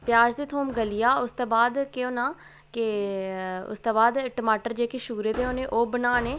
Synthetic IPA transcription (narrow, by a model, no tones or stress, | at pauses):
pjaːd͡ʒd̪eːt̪ʰoːmɡəlijaːʊst̪oːbaːd̪keoːnãː | ke | ʊ̰st̪oːbaːd̪ʈəmaːʈəɾd͡ʒeːkeʃuːɾeːd̪eːoːneːʔoːbənaːneː